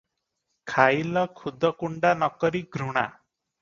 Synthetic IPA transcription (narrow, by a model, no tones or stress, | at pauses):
kʰajlɔkʰud̪ʱɔkuɳɖanɔkɔɾiɡʱɾuɽ̃a̰